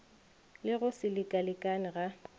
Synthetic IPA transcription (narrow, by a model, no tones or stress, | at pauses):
lɪɣʊsɪlɪkʼalɪkʼanɪɣa